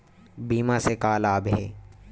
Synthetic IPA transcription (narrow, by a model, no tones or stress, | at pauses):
biːmãsekaːlaːbɦɛː